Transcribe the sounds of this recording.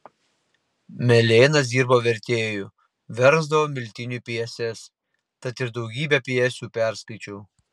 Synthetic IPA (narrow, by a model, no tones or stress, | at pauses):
mʲɛlʲeːnɐs̬d̪ʲiːɾboːʋʲɛɾʲt̪ʲeːjuːˑ | ʋʲɛɾzd̪ɐʋoːmʲɪlʲt̪ʲɪnʲupʲiɛsʲɛs | t̪ɐt̪ɪɾd̪ɒʊɡʲiːbʲɛpʲiɛsʲuːpʲæˑɾskɐɪt͡ʃʲuː